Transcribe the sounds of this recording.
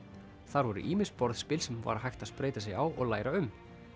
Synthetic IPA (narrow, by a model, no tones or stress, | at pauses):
θaɾvɔɾʏ̰ʔiːmɪspɔɾðspɪːlsɛmva̰ɾaɦajxt̪aðspɾeːjt̪as̬jɛɣawʔɔ̰ɣlaːjɾaʏm